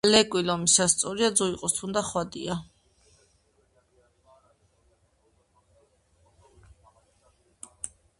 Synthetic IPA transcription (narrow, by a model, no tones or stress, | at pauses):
lɛkʼwilɔmisast̪sʼɔɾiad̪zɔiqʼɔst̪ʰund̪aχwad̪ḭa